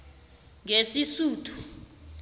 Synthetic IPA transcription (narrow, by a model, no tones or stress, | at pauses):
ŋesisuːtʰu̥